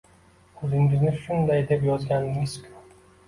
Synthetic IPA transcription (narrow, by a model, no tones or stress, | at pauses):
ɵzɪŋɪznɪʃʊnd̪ajd̪e̞pjɒzɡʲanɪŋɪz̥kʲʰʊ̥